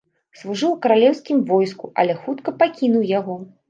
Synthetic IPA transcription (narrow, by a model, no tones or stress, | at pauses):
slˠuʐɨwkɐɾalʲɛwskʲimvɔjskuʔɐ̰lʲɛxut̪kɐpakʲinuwjaɣɔ